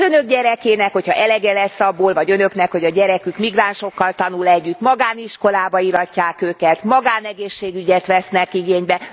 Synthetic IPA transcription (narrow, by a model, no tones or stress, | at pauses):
ønøɡɟɛɾɛkeːnɛkhochɒ̰ʔɛlɛɡɛlɛsːɒbːoːlvɒɟø̞nø̞knɛkho̞ɟɒɟɛɾɛkykmiɡraːnʃo̞kːɒlt̪ɒnulɛɟːyt̪mɒɡaːniʃko̞laːbɒiɾɒcːaːkøːkɛt̪mɒɡaːnɛɡeːʃːeːɡyɟɛt̪ʋɛsnɛkiɡeːɲbɛ